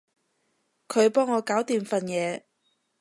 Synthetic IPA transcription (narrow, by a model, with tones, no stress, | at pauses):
kʰɵ˨˧ɥpɔː˥ŋːɔː˨˧kaː˨˥wt̪iː˨mfɐ˨njɛː˨˧